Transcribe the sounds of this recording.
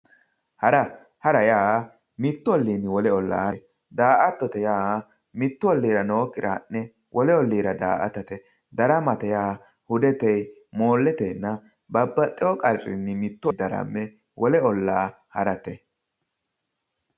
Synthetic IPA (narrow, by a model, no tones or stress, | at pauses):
hɐɾɐ | hɐɾɐjaː | mɪt̪ːʊɔlːiːnːɪwɔlɛɔlːa̰ː | d̪aːʔɐt̪ːɔt̪ɛjaː | mɪt̪ːʊɔlːiːɾɐnoːkːɪɾanːɛ | wʔɔlɛɔlːiːɾɐd̪a̰ːʔɐ̰t̪ɐt̪ɛ | d̪ɐɾɐmɐt̪ɛjaː | hʊd̪ɛt̪ɛj | moːlːɛt̪ɛnːɐ | bɐbːɐt̪ʼːɛwɔkʼɐlrʼɪ̰nːɪmɪt̪ːʊd̪ɐɾɐ̰mːɛ | wʔɔlɛɔlːaː | hɐɾɐt̪ɛ